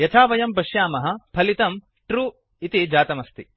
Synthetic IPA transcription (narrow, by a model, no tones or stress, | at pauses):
jɐt̪ʰaːʋɐjɐmbɐʂjaːmɐɦɐ̆pʰɐlit̪ɐm | ʈɾuː | it̪id͡ʒaːt̪ɐmɐst̪i